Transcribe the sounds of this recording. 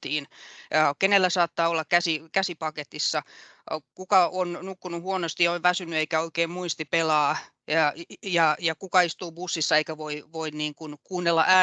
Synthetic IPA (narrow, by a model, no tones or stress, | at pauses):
iːnːkenelːæsɑːt̪ːɑːolːɑkkæsikæsipɑket̪isːɑ | kukɑonnukːunuhuonost̪ioiʋʋæsynːyeikæoikeːmmuist̪ipelɑː | jɑjɑkukɑist̪uːbusːisːɑeikæʋoiʋoinniːŋkunkuːnːelːɑ̰ʔæː